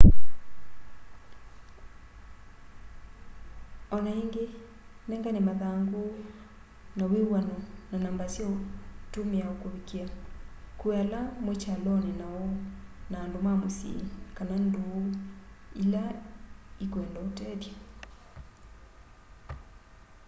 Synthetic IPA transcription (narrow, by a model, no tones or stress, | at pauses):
ɔnaiŋɡe | nɛŋɡanemaðaŋɡo | nawewanɔnanambasjɔtomeaokoβikiakualamwet͡ʃalɔnenaɔnaːndomamosḭkanandoːila | ikweːndɔotɛðja